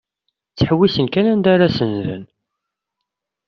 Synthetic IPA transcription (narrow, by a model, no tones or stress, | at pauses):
t͡sːħwːisənkænænd̪aɾasənðə̰n